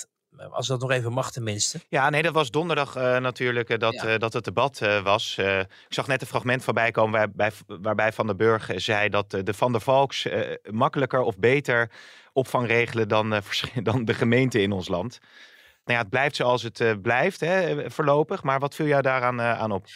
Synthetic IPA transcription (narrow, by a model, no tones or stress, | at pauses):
ɑ̰sdɔtnɔχejvəmɑχtɛnmɪnstəjaːnejdɑtʋɑzdɔndəɹdɑχənatyːɹləkdɑtdɑtət̚dəbɑtʋɑs | ɪksɑχnɛtə̃nfrɑχmɛntfɑnbɛjkowməʋabɛjʋaːɹbɛjfɑndəbøɹχzɛjdɑtdəfɑndəvɑlˠksmɑkələkəɹɔfbejtəɹ | ʔɔpfɑŋrejχələdɑnfəɹdɑndəχəmejntəɪnɔnslɑnt | nawjaːəd̚blɛjftsowɑlˠs̬ətblɛjftɦɛfoːɹlowpəχmaːɹʋɑtfilˠjɔwdaːɾaːna̰ːnɔp